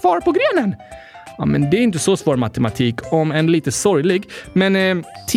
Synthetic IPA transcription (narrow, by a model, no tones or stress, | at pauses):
fɑːɾpɔɡɾeːnən | ɑ̰mɛ̰nd̪ɛæɾɪnt̪əsɔsvoːɾmat̪ɛmat̪ʰiːkʰɔmɛnliːt̪əsɔɾjlɪɡmɛnt̪ʰ